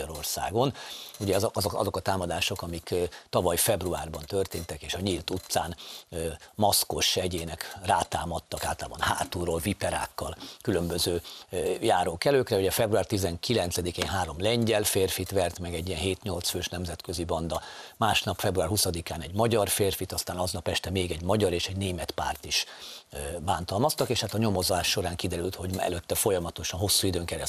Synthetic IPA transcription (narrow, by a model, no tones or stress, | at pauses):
ɒɾo̞rsa̰ːɡo̞nuɟɛzɒzoɒ̰zo̞kɒt̪aːmɒd̪aːʃo̞kɒmikt̪ɒvɒjfɛbruaːrbɒnt̪ø̞rt̪eːnt̪ɛkeːʃɒɲilt̪ut̪saːnː | mɒsko̞ʃɛɟeːnɛkraːt̪aːmɒt̪ːɒkaːlt̪ɒlaːbɒ̰nha̰ːt̪uroːlvipɛɾa̰ːkːɒlkylø̞mbøzøːjaːɾoːkɛløːkrɛuɟɛfɛbruaːrt̪izɛŋkilɛnt̪sɛd̪ikeːnɦaːɾo̞mlɛɲɟɛlfeːrfit̪ʋɛrt̪mɛɡɛɟːijɛnɦeːt̪ɲo̞lt̪sføːʃnɛmzɛt̪køzibɒnd̪ɒmaːʃnɒpfɛbruaːrhusɒd̪ikaːnɛɟmɒɟɒrfeːrfit̪ɒst̪aːnɒznɒpɛʃt̪ɛmeːɡɛɟmɒɟɒɾeːʃɛɟneːmɛt̪pa̰ːrt̪iʃ | baːnt̪ɒlmɒst̪ɒkeːʃhat̪ɒɲo̞mo̞zaːʃːo̞ɾaːŋkid̪ɛɾylt̪ho̞ɟɛ̰løt̪ːɛfo̞jɒmɒt̪o̞ʃɒnɦo̞sːuid̪øːŋkɛɾɛ